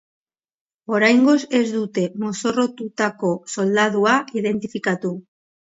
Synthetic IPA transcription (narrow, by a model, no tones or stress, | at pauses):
o̞ɾajŋɡo̞se̞zd̪ut̪e̞mo̞so̞ro̞t̪ut̪ako̞so̞ld̪aðuaiðe̞nt̪ifikat̪u